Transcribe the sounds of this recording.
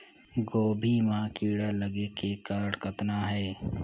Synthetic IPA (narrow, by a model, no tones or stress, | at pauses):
ɡoːbʱimãːkiːɽaləɡekekaɾɽkət̪naɦɛː